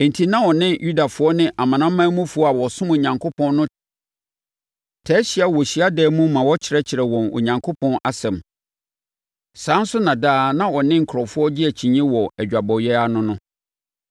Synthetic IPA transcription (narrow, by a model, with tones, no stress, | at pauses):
e˨n̩˨tʰi˨nã˦wɔ˨nɪ̃˦nju˦da˨fʊ˦ɔ˦nɪ̃˦ʔa˨mã˨nã˦mːã˦mũ˦fu˨˦ɔ˦a˨wɔ˨sʊ̃˦mo˨ɲã˨ŋkʰo˦pʰɔ̃˦nː˦nʊ̃˦ | tʰɛ˦ɕi˦a˨wɔ˨ɕi˨a˦dɛː˦mũ˦mã˨wɔ˦t͡ɕʰɪ˨ɾɛ˦t͡ɕʰɪ˨ɾɛ˨wɔ̃˨no̰˨ɲã˨ŋkʰo˦pʰɔ̃˦na˨sɛ̃˨m | sãː˨˦n̩˦sʊ˦nã˨daː˦nã˦ɔ˨nɪ̃˦ŋ̩˨kʰɾɔ˨fʊ˦ɔ˦d͡ʑɪ˦æ˨t͡ɕʰĩ˨ɲĩ˦wɔ˨æ˨d͡ʑᶣa˨bɔ˨ɥɛ˦a˦nʊ̃˦nʊ̃˦